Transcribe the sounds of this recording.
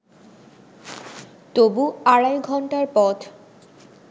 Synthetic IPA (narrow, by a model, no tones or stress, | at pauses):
t̪obuaɽajɡʱɔɳʈaɾpɔt̪